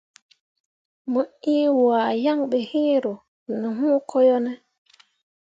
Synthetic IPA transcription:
mu˨iː˦waː˨ja˦ŋɓɛ˨hiː˦ɾo˨ | nu˨ɦũː˦kʰo˦jɔ˦nɛ˦

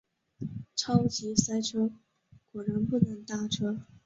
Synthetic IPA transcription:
ʈ͡ʂʰɑ˥ʊt͡ɕi˧˥sa˥ɪʈ͡ʂʰɤ˥ | kwɔ˨˩ɻə˧˥ŋpu˥˩nɤ˧˥ŋt̪a˥˩ʈ͡ʂʰɤ˥

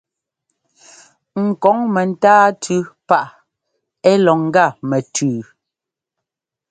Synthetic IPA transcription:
ŋ̩˨kɔ˨˦ŋmɛ˨n̩˦taː˦tʰʉ˦pa˦˨ʔ | ɛ˦lɔ˨ŋ̩˦ɡa˦˨mɛ˨tʰʉː˨

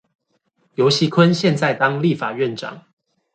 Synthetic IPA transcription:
jo˨˦ʊɕi˨˦kʰwə˦nɕjɛ˥˨nt͡sa˥˨ɪt̪ɑ˦ŋli˥˨fa˨˩ɥɛ˥˨nʈ͡ʂɑ̰˨˩˦ŋ

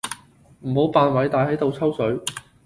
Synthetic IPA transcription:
m̩˨˩ho˨˥wpaː˧nwɐ˨˥jt̪aː˨jhɐ˨˥jt̪o˨˧wt͡sʰɐ˥wsɵ˨˥ɥ

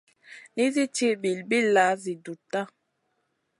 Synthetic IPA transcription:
ni˦zi˦t͡ʃe˦bi˨lbi˦la˨˦zi˨du˨ta˦˨

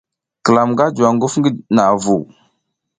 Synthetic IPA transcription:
kə˨la˨mɡa˦d͡ʒa˨ŋɡu˦fŋɡi˦na˨vu˨

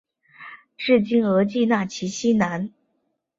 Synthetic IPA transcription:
ʈ͡ʂɻ̩˥˩t͡ɕi˥˩ŋɤ˧˥t͡ɕi˥˧na˥˩t͡ɕʰi˧˥ɕi˥na˧˥n

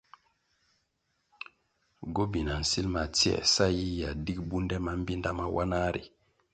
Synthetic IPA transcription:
ɡo˦bi˨na˨n̩˨si˦lma˨ti˦ɛ̰˨sa˦ji˦ja˨di˦k̚bu˦ndɛ˦ma˨m̩˦bi˦nda˦ma˦wʔa̰˦na˦ɾḭ˨

